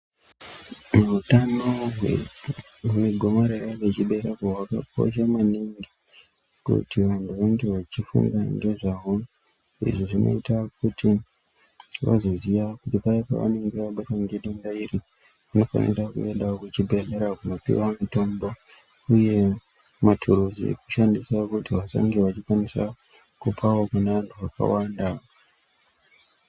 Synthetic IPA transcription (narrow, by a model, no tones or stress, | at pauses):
muutano̞ | umiɡʱo̞maɾerapet͡ʃiɓe̞ɾekowaka̰po̰ʃ̬amaniŋɡi | kṵtiʋantuʋaŋɡe̞ʋat͡ʃifṵŋɡaŋɡe̞ʐaʋo | ḭʐiʐino̞̰itakuti | ʋa̰zo̞ziʋakutipaipa̰ʋa̰ne̞ŋɡe̞ʋaɓataŋɡe̞ɗendairi | ʋano̞fwa̰nḭɾakṵe̞ndakut͡ʃibʱe̞ɮe̞ɾakuno̞pḭwamito̞mbo | uje̞ | matʰuɾuzḭḛku̥ʃandisakutiʋasa̰ŋɡiʋat͡ʃikwanisa̰ | kupʰawokuneʋantʰuʋaka̰wanda